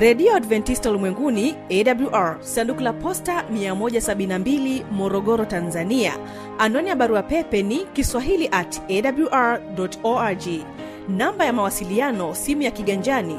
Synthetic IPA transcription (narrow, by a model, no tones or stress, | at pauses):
ɾɛɗiɔadvɛntistalimwɛŋɡuniɛɗabluʔaɹsandukulapɔstamiamɔʄasaɓinnambilimɔɾɔɠɔɾɔtanzania̰ | anɔnijaɓaɾuapɛpɛnikiswaɦiliʔatɛɗabluʔaɹɗɔtɔad͡ʒi | nambajamawasilianɔsimujakiɠaɲd͡ʒani